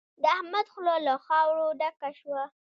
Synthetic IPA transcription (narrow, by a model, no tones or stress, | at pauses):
d̪əahmad̪xlolaxɑwɾoɖakaʃwa